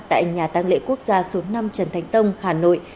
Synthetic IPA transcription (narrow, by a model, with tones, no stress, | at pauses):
t̪a̰ː˧˨jɲaː˨˩t̪aː˧ŋlḛ˧˨ku˦˥ək̚zaː˧su˨˦nːa˧mt͡ɕə˨˩nt̪ʰa˨˩˦jŋ̟t̪ə˧wŋ͡mhaː˨˩no̰˧˨j